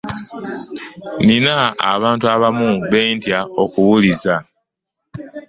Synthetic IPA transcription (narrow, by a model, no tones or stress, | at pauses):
nina̰ːβaːntuaβamuβe̞ːntjao̞kuwuliza